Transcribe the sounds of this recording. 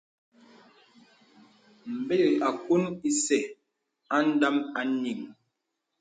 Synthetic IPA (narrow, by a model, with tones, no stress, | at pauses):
m̩˨be˦˨ɣi˨a˨ku˦ni˦sɛ˨ | a˦n̩˦da˦ma˨˦ni˨ŋ